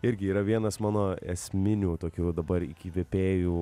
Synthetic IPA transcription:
ɪɾʲɡʲɪiːɾɐʋʲiɛnɐsmɑːnoːɛ̰sʲmʲɪnʲuːt̪oːkʲuːd̪ɐbɐɾɪ̰kʲiːʋʲɛpʲeːjuː

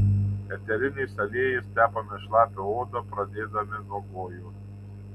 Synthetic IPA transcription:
ɛt̪ʲɛlʲɪnʲɛsɐlʲeːjɪst̪ʲæːpɐmʲɛʃlˠɑːp̪ʲɪoːd̪opɾɐd̪ʲeːd̪ɐmʲɪnoɔboːju

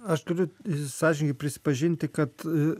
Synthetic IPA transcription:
ɐʃt̪ʊɾʲʊsɑːʒʲɪnʲɪɡʲɪpʲɾʲɪsʲɪ̥pɐʒʲɪnʲt̪ʲɪkɐt̪

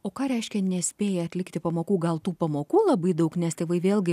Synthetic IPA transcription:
oːkɑːɾʲɛɪʃʲkʲɛnʲɛsʲpʲeːjɛɐt̪ʲlʲɪkt̪ʲɪpɐmoːkuːɡɐlˠt̪uːpɐmoːkuːlˠɐbɐɪd̪ɐʊknʲɛst̪ʲeɪʋɐɪʋʲeːlˠʲɡʲɪ

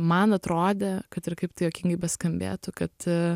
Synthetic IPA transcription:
mɐnɐt̪ɾoːd̪ʲeːkɐt̪ɪɾkɐɪpt̪ɐɪjoːkʲɪŋɡɐɪbʲɛskɐmʲbʲḛːt̪ʊkɐt̪

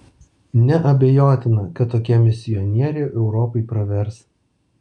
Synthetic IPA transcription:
nʲɛʔɐbʲejoːt̪ʲɪnɐkɐt̪ːoːkʲɛmʲɪsʲɪjɔnʲiɛɾʲeʔɛʊɾɔpɐɪpɾɐʋʲɛɾs

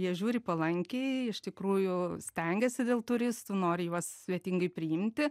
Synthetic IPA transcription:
jiɛʒʲuːɾʲɪpɐlˠɐŋʲkʲeɪɪʃt̪ʲɪkɾuːjʊsʲt̪ʲɛŋʲɡʲɛsʲɪd̪ʲeːlˠt̪ʊɾʲɪst̪uːnoːɾʲɪjuɔssʲʋʲiɛt̪ʲɪŋɡɐɪpʲɾʲɪɪmʲt̪ʲɪ

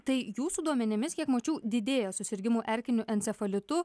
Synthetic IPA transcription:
t̪ɐɪjuːsuːd̪uɔmʲɛnʲɪmʲɪskʲiɛkmoːt͡ʃʲuːd̪ʲɪd̪ʲeːjɛsʊsʲɪɾʲɡʲɪmuːʔɛɾʲkʲɪnʲʊʔɛnʲsʲɛfɐlʲɪt̪ʊ

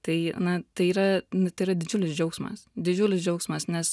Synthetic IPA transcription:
t̪ɐɪnɐt̪ɐɪiːɾɐnʊt̪ɐɪiːɾɐd̪ʲɪd͡ʒʲʊlʲɪsd͡ʒʲɛʊksmɐ̰sd̪ʲɪd͡ʒʲʊlʲɪsd͡ʒʲɛʊksmɐsnʲɛs

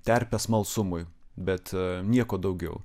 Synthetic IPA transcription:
t̪ʲɛɾʲpʲɛsmɐlˠsʊmʊjbʲɛt̪nʲiɛkoːd̪ɐʊɡʲɛʊ

